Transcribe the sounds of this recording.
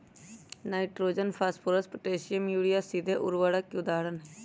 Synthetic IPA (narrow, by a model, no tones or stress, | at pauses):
naːiʈɾoːd͡ʒənpʰaːspʰoːɾəspəʈeːsɪjəmjuːɽijaːsid̪ʱeːʔʊɾʋaːɽaːkjuːd̪aːɽən